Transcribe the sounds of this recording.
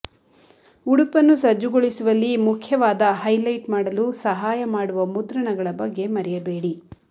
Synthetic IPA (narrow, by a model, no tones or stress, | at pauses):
uɽupɐnːusɐd͡ʒːuɡoɭisuʋɐlːimukʰjɐʋaːd̪ɐɦɐjlɐjʈmaːɽɐlusɐɦaːjɐmaːɽuʋɐmud̪ɾɐɳɐɡɐɭɐbɐɡːe̞mɐɾɛjɐbe̞ːɽi